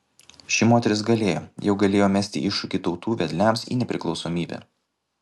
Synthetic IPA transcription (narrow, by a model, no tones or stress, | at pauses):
ʃʲɪmoːt̪ʲɛɾʲɪsɡɐlʲeːjo̰ːjɛʊɡɐlʲeːjoːmʲæsʲt̪ʲɪ̰ʔɪʃːʊkʲit̪ɒʊt̪uːʋʲɛd̪ʲlʲæˑmsḭːnʲɛpʲɾʲɪklˠɒʊsoːmʲiːbʲɛ̰æ̰